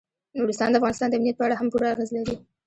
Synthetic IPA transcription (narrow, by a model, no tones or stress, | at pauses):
nuɽɪst̪ɑnd̪əafɣɑnɪst̪ɑnd̪əamnijat̪̚pəaɽaɦampuɾaaɣezlaɾi